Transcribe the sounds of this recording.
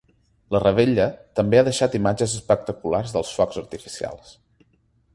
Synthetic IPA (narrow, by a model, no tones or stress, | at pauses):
lərəβ̞eʎət̪əmbeaðəʃat̪imad͡ʒəzəspək̚t̪əkularzðəlˠsfɔkzəɾt̪ifi̥sia̰lˠs